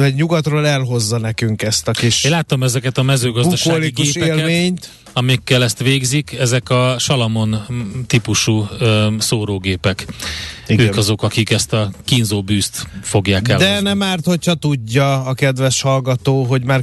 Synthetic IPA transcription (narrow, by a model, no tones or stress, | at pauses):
ɛɟɲuɡɒt̪roːlɛlɦo̞zːɒnɛkyŋkɛst̪ɒkiʃnlaːt̪omɛzɛkɛt̪ɒmɛzøːɡɒzud̪ɒʃoaːliieːpɛːlmeːɲt̪ | ɒmikːɛlɛst̪ʋeːɡzikʰɛzɛkɒʃɒlɒmo̞nt̪ipuʃusoːɾoːɡeːpɛk | øːkɒzo̞kɒkikɛst̪ɒkinzoːbyːst̪fo̞ɡjaːkdɛld̪ɛnɛmaːrt̪ho̞chɒt̪uɟːɒːkɛd̪ʋɛʃhɒlɡɒt̪oːɦo̞ɟmaːr